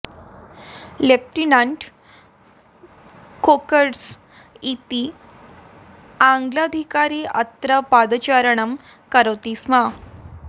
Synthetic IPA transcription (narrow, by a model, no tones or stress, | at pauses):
lep̚ʈinaɳʈ | kokəɾs | it̪i | ãŋɡlad̪ʱikaɾiːʔə̰t̪ɾəpad̪t͡ɕaɾəɳəm | kəɾət̪isma